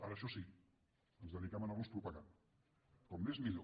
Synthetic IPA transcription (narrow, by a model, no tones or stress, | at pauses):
aɾəːʃɔsi | ənzðəðikɛmənaunspɾupaɣa | kɔmnezmiʎo